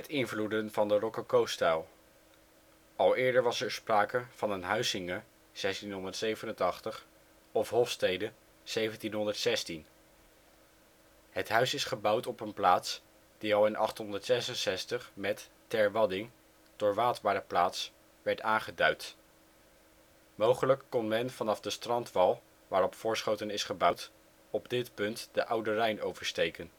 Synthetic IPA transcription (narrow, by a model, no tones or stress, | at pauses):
ɦɛtɪnvludənvɑndərɔkəkowstalˠ | ɑlˠɪːɹdəɹʋɑsɛɹspraːkəv̥ɑnənɦœɥzɪŋə | z̥ɛstinɦɔndəɹtsejvənəntɑχtəχ | ɔfɦɔfstejdə | z̥ejvəntinɦɔndəɹtsɛstin | ɦətɦœɥsɪsχəbʌwtɔpənplaːts | d̥iɑlˠɪnʔɑ̰χtɦɔndəɹtsɛsənsɛstəχmɛtː | ɛɹʋɑdɪŋ | d̥ʊːɹʋaːtbaːɾəplaːts | ʋɛɹtaːnχədœɥt | mowχələkːɔnmɛnvɑnɑfdəstrɑntʋɑlˠ | ʋaːɾɔpfʊːɹsχowtənɪsχəbʌwt | ɔbdɪtpɵntd̥əʔʌwdərɛjnowvəɹstejkən